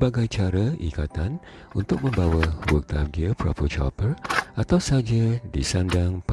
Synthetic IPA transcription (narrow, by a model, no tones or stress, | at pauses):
baɡajt͡ʃaɾaḭkat̪an | unt̪ʊk̚mə̃mbawawək̚t̪aɡiəpɾɔ̰pət͡ʃa̰pərat̪awsad͡ʒadisandaŋp